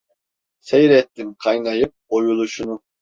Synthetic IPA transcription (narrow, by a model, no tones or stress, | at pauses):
sɛjɾɛt̪ːɪmqʰɑjnɑjɯp̚ojulˠuʃunu